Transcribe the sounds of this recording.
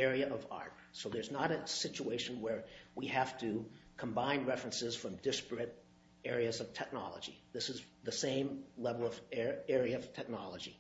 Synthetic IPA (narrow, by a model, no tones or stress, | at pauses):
ɛɹiɨʔʌvɑ̰ɹt̚soʊðə˞znəɾɨsɪt͡ʃueɪʃɨ̃n̩wə˞wihæftʰɨkʰə̃mbãɪ̃nɹɛfɹɨ̃nsɨz̥fɹʌ̃mdɪspɹɨɾ | ɛɹiɨzʌv̥tʰɛk̚nɑ̰lˠə̰d͡ʒḭðɪsɨzðɨsẽɪ̃mlɛvl̩ˠʌvɛɹiɨʌv̥tʰɛk̚nɑlˠəd͡ʒi